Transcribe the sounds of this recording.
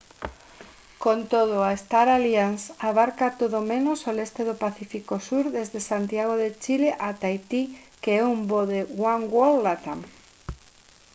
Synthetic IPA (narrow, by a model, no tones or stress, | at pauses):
kont̪oðoaest̪aɾaljansaβaɾkat̪oðomenosolest̪eðopaθifikosuɾðezðesant̪jaɣ̞oðet͡ʃileʔat̪ajt̪ikeɛumboðeɣwaŋɡwolːat̪aŋ